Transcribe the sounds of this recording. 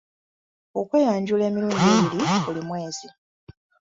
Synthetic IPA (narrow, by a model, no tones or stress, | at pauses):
okwe̞ːjaːɲɟule̞ːmiɾuːndiβilibulimwe̞ːzi